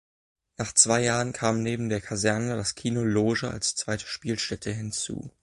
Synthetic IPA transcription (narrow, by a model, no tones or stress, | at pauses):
naːχt͡sv̥aɪjaːʁənkʰaːmneːbm̩deːɐkʰazɛɐnədaskʰiːnoloːʒəa̰lst͡sv̥aɪtʰə̥ʃpiːlʃtɛtʰəɦɪnt͡sṵː